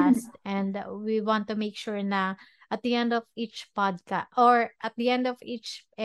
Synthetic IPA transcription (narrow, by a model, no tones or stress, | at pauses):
st̪ɛ̃nd̪wiwãnt̪ːʊmejkʃuɹnɐ | ʔɐt̪̚d̪iɛ̃nd̪ɔvit͡ʃpad̪̚kaʔoɹʔɐt̪̚d̪iɛ̃nd̪ɔvit͡ʃ